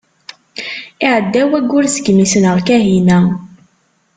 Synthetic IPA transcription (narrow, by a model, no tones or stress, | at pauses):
ɪʕəd̪ːæwæɡːʊɾsə̥ɡmisənəʁkæɦinæ